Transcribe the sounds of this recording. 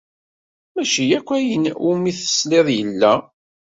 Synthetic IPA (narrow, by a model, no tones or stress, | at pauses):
mæʃijækʷːæjənʊmiθə̥sleðˤjəlːæ